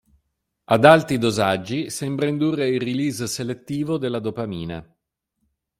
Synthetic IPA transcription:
ad̪alt̪id̪ozad͡ʒːisɛmbɾaind̪urːeiriliːzselet̪ːiːvod̪elːad̪opamiːna̰

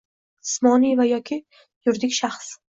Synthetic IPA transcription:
smɒnivajɒkʲʰɪ | jʊɾd̪ɪkʲʃaχs

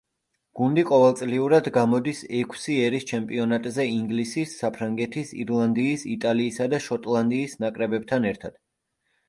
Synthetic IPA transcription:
ɡ̥und̪iqʼɔvɛlˠt̪sʼliuɾad̪ɡamɔd̪isɛkʰsiɛɾist͡ʃʰɛmpʼiɔnat̪ʼzɛiŋɡlisisːapʰɾaŋɡɛt̪ʰisḭɾlˠand̪iːsit̪ʼaliːsad̪aʃɔt̪ʼlˠand̪iːsnakʼɾɛbɛb̚t̪ʰanɛɾt̪ʰad̪̥

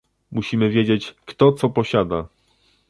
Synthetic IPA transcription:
muɕimɘvʲjed͡ʑet͡ɕkt̪ɔt̪sɔpɔɕad̪a

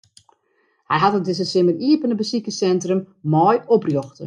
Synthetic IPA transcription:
hɛjɦatət̚dɪs̬əsɪməriəpənəbəsikəsɛntrəm | mɔjɔprjoxtə

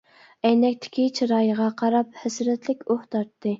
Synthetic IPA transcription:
ɛjnɛkʲt̪ʰɪ̥kʲʰit͡ʃʰiɾɑːjəʁɑqʰɑɾɑp̚hɛsɾɛt̪lɪkʲoht̪ʰɑɾt̪ʰːɨ

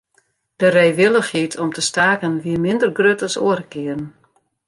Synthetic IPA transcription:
d̥ərɛjʋɪlˠəxitʰɔmtʰəstaːkənʋiəmɪndərɡrøtɔsoəɾəkɪərən

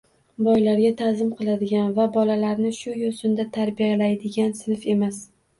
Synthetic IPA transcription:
bɒjlaɾɡʲat̪ʰazɪmqʰɨlˠad̪ɪɡʲanvabɒlalaɾnɪʃʊjosʊnd̪at̪ʰaɾbijalajd̪ɪɡʲansɪnɪfe̞mas

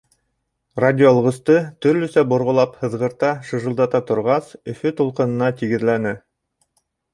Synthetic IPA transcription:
radʲɪolˠʁɤ̆st̪ɤt̪ɵ̆ɾlɵ̆sæbŏɾʁŏlˠɑphɤ̆ðʁɤ̆ɾt̪ɑʃɤ̆ʒɤ̆lˠd̪ɑt̪ɑt̪ŏɾʁɑsɵ̆fɵt̪ulˠqɤ̆nɤ̆nɑt̪iɡɘ̆ðlænɘ

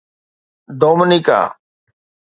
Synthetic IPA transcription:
d̪oːməniːka̰ː

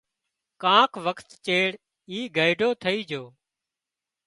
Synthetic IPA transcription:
kãːkʰʋəkʰt̪t͡ʃeːɽ | iːɡʱəɪɖʱoːt̪ʰəiːd͡ʒʱoː

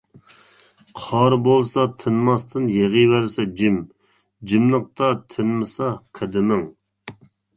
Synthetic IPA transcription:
qʰɑɾbolˠsɑt̪ʰɨnmɑst̪ʰɨnjeʁəwæɾsɛd͡ʒɪm | d͡ʒimlˠəq̚t̪ɑt̪ʰɨnmɨsɑqʰɛd̪ɪmɪŋ

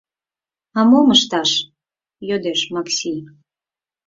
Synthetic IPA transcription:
ɑmoməʃt̪ɑʃ | jød̪eʃmɑksʲi

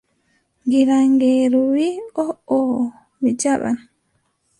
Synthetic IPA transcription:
ŋɡiɾaŋɡɛːɾuwiɔɔ | wid͡ʒaɓa̰n

